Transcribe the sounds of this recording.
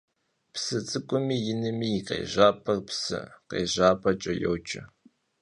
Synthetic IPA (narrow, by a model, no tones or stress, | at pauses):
psɨt͡sʼɨkʷʼʊmiːjɪnɨmiːjɪqḛːʑaːpʰʼɐrpsɨ̰qḛːʑaːpʰʼɐt͡ʃʼɐjo̰wt͡ʃʰʼɐ